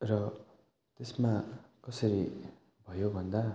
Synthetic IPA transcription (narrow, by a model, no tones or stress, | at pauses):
rʌ | t̪esmakʌsʌɾi | bʱʌjobʱʌnd̪a